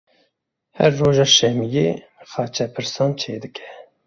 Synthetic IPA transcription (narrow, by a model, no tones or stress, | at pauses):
hɛ̰ɾːoːʒɑːʃɛmijḛːbəxɑːt͡ʃʰɛpʰɨɾsɑːnt͡ʃʰeːd̪ɨkʰɛ̥